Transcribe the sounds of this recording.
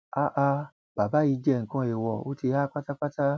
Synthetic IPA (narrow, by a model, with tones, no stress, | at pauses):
a˨ʔa˧ | b̥a˨ba˨˦i˧d͡ʒɛ˦˨ŋ̩˨kã˧˦e˨wɔ˨o̰˦ti˧˦ha˦k͡pa˦ta˦k͡pa˦ta˦